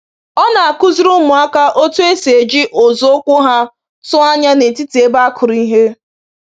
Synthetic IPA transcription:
ɔ˦na˨a˨kʊ˦zʊ˦ɾʊ˦mʊ˨a˦ka˦ʔo˦tu˦e˦se˨d͡ʒi˦ʔo˨zo˦kʷʊ˦ɦa˦ | sʊ˦a˦ɲa˦ne˨ti˦ti˨e˦ba˦a˦kʰʊ˨ɾi˦ɦe˦

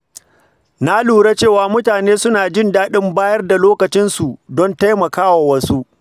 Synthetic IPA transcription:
na˦luː˨ɽe˦t͡ʃeː˦˨waː˨mʊ˦taː˨neː˦sʊ˦naː˨d͡ʒɪ˦ndaː˦ɗɪ˦mbaː˦jɐ˦rda˨loː˦kɐ˨t͡ʃɪ˦nsu˨dɔ˦nta˦jmɐ˨kaː˦wa˨wɐ˦su˦ʔ

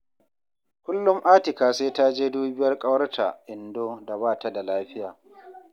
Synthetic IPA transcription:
kʷʊ˦lːʊ˦mʔaː˦tɪ˨kaː˨seː˦ta˦d͡ʒeː˦duː˦bɪ˦jɐ˦rkʼɐ˦wɐ˦rtʰa̰˨ʔɪ˨ndoː˦da˨baː˦ta˦da˨laː˦ɸɪ˦jaː˨

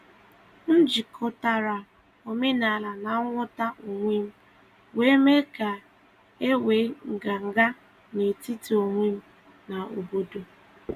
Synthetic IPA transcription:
n̩˦d͡ʒi˨kʰo˦ta˦ɾa˨ | o˨me˦na˨la˨na˨˦ŋʷʊ˦ta˦ʔo˨ŋʷe˦m̩˦ | we˦me˦ka˨ | e˦weː˨˦ŋ̩˨ɡa˨ŋ̩˨ɡa˦ | ne˨ti˦ti˨o˨ŋʷe˦m̩˦ | na˨o˨bo˦do˨

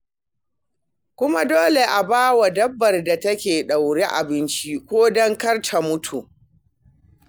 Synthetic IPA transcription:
kʷʊ˦ma˦doː˦le˨ʔa˨baː˦wa˨dɐ˦bːɐ˨rda˨tɐ˦kʲeː˨ɗa˨wɽe˦ʔa̰˨bɪ˦nt͡ʃi˦kʷoː˦dɔ˦ŋkɐ˦rtʰa˨mʊ˦tʰu˨ʔ

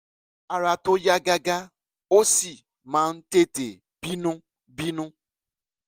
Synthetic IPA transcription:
a˨ɾa˨to˦ja˦ɡa˦ɡa˦ | o˦si˨ | mã˨˦n̩˦te˦te˨ | b̥i˦nũ˦ | bi˦nũ˦

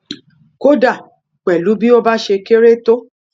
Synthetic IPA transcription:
ko˦da˦˨ | k͡pɛ˨lu˨˦bi˦o˦ba˦ʃe˧ke˦ɾe˦to˦

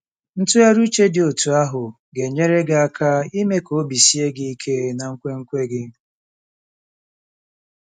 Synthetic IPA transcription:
n̩˦tʊ˦ja˦ɾu˦t͡ʃe˦dɪ˨o˨tu˨a˦ɦʊ˨ | ɡe˨ɲe˦ɾe˦ɡa˦˨a˦kʰa˦i˦me˦ko˨˦bi˨si˦e˦ɡɪ˦i˦kʰe˦na˨ŋ̩˦kʷe˦ŋ̩˦kʷe˦ɡɪ˦

